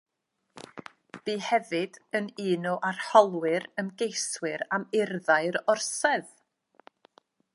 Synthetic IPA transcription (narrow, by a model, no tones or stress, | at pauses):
b̥iːhɛvɨd̥əniːnɔʔarhɔlˠwɪɾəmɡejswɪɾamɪrðaɨɾɔrsɛð